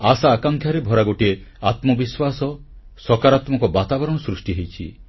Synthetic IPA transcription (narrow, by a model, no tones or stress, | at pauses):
asaːkaŋkʰjaɾebʱɔɾaɡoʈieat̪mɔbiswasɔ | sɔkaɾat̪mɔŋkɔbat̪abɔɾɔɽ̃ɔsɾusʈiɦejt͡ʃʰi